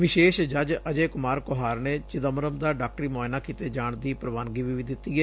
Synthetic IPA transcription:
ʋɪʃeːʃd͡ʒəd͡ʒəd͡ʒeːkʊmaːɾkoɦaːɾneːt͡ʃɪd̪əmɾəmd̪aːɖaːk̚ʈɾiːmoːɪnaːkiːt̪eːd͡ʒaːɳd̪iːpɾəʋaːnɡiːʋiːʋiːd̪ɪt̪ːiːɛː

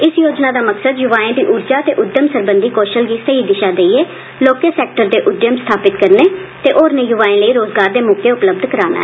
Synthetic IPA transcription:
ɪsjoːd͡ʒnaːd̪aːməksəd̪jʊʋaːẽːd̪iːʔʊːɾd͡ʒaːt̪ḛːʔʊd̪jəmsəɾbənd̪iːkoːʃəlɡiːsəiːd̪ɪʃaːd̪eːieː | loːkesɛːk̚ʈəɾd̪eːʔʊd̪jəmst̪ʰaːpɪt̪kəɾneːt̪eːʔoːɾnẽːjʊʋaːẽːləiːɾoːzɡaːɾd̪eːmʊkʰeːʊpləb̚d̪kəɾaːna̰ɛ

